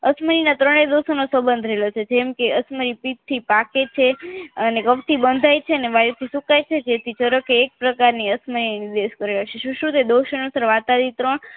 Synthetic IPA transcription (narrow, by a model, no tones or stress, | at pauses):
əsməɾinat̪ɾəɽ̃ed̪osonosəbənd̪ʱɾəɦelot͡ʃʰed͡ʒemkeəsməɾipik̚t̪ʰːipaket͡ʃʰeənekəʋt̪ʰibənd̪ʱajt͡ʃʰeəneʋajut̪ʰisukajt͡ʃʰed͡ʒet̪ʰit͡ʃəɾəkeːk̚pɾəkaɾniəsməɾineniɾd̪eʃkəɾeɦəʃeʃũʃũt̪ed̪oʃənosəɾʋat̪ad̪it̪ɾəɳ